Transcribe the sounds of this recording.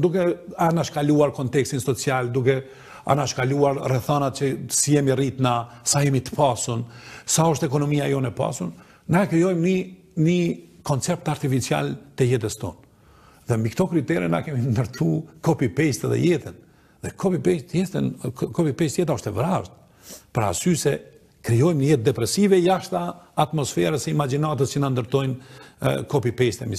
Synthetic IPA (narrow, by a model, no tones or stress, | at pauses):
d̪ukɛanaʃkaluaɾkɔnt̪ɛkst̪insɔt͡siald̪ukɛ | a̰naʃkaluaɾrɛθanat̪t͡ʃəsijɛmirit̪nasajɛmit̪ə̥pasunsaɔʃt̪ɛkɔnɔmiajɔnɛpa̰sunː | akɛjɔjmni | nikɔnt͡sɛp̚t̪aɾt̪ifit͡sia̰lt̪ɛjɛt̪̬əst̪ɔ̰n | ðɛmbikt̪ɔkɾit̪ɛɾɛna̰kɛmind̪əɾt̪ʰukɔpipɛst̪ɛðɛ̰jɛt̪ən | ðɛkʰɔpipɛst̪jɛt̪ənkɔpipɛst̪jɛt̪̬aɔʃt̪ɛvɾaʃt̪̚ | pəɾa̰sysɛ | kɾijɔjmnəjɛt̪̚d̪ɛpɾɛsivɛjaʃt̪aːt̪mɔsfɛɾəsɛimad͡ʒinat̪̬əst͡ʃinand̪əɾt̪ɔjn | kɔpipɛst̪ɛmi